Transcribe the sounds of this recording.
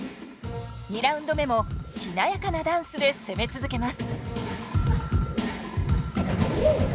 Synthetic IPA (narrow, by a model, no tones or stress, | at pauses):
ɲʲiɾaɯ̃nd̪o̞me̞mo̞ɕinajakanad̪ãɰ̃sɨd̪e̞se̞me̞t͡sɨzɨke̞masɨ̥